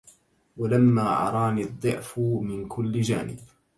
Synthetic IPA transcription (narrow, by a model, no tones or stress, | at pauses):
walamːaːʕɑ̰ɾˤɑːniːðˤːɨʕfʊmɪnkʰʊlːɪd͡ʒa̰ːnɪ̰b